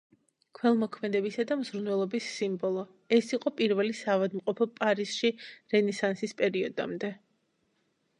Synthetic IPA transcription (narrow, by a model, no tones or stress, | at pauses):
kʰwɛlˠmɔkʰmɛd̪ɛbisad̪amzɾnwɛlˠɔbisːimbɔlˠɔ | ɛsiqʼɔpʼiɾvɛlisaːvad̪mqʼɔpʰɔpʼaɾiz̥ʃiɾɛnɛsansispʼɛɾiɔd̪a̰md̪ɛ